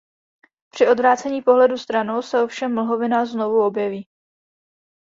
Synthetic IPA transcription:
pr̥ɪo̞dvɾaːt͡sɛɲiːpo̞ɦlɛdust̪ɾano̞wsɛofʃɛmːl̩ɦo̞vɪnazno̞vuo̞bjɛviː

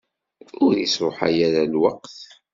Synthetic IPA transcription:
ʊɾjəsɾoħa̰jaɾalwaqθ

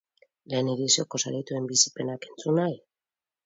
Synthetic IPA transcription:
le̞ːniɾisioko̞sa̰ɾit̪ue̞mbisi̥pe̞nake̞nt͡sunaj

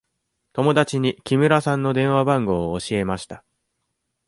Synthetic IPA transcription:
t̪o̞mo̞d̪at͡ɕiɲ̟ikʲimɯ̟ɾasãnːo̞d̪ẽ̞ɰ̃βabãŋɡo̞ːɕie̞maɕi̥t̪ḁ

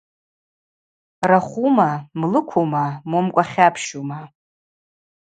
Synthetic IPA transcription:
raχʷumamlɨkʷʰomamomkʷʼaχʲapʰʃuma

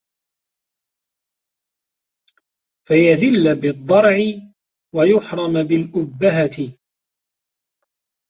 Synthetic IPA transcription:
fajaðɪlːabɪd̪ˤːɑɾˤʕɪ | wajʊħɾˤɑmbɪlʔʊbːaɦat̪ɪ

